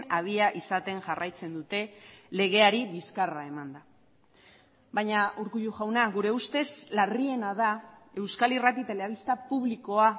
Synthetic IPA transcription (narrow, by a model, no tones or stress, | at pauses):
nað̞iaʔisat̪e̞ŋʝarajt͡se̞nd̪ut̪e̞le̞ɣe̞aɾiβiskarae̞mand̪a | bajɲaʔuɾkuʎuʝawnaɣuɾe̞ust̪e̞zlarie̞naðae̞wskalirat̪̬it̪e̞leaβ̞ist̪apuβliko̞a